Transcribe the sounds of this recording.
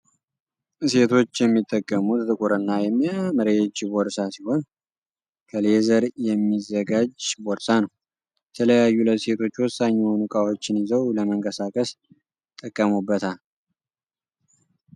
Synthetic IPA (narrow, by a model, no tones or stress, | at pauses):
se̞t̪ʰo̞t͡ʃːjɛmːit̪ʼːəkʼːəmut̪t̪ʼɨkʼuɾɨnːajɛmːaməɾet͡ʃːboɾsasiho̞n | kʰəle̞zəɾjɛmːizːəɡad͡ʒboɾsanəw | jɛt̪ʰələjajːuləse̞t̪ʰo̞t͡ʃːwɔsaɲːɛnukʼawo̞t͡ʃːɪnizəwləməŋkʼəsakʼəs | t̪ʼːəkʼːəmubːət̪ʰal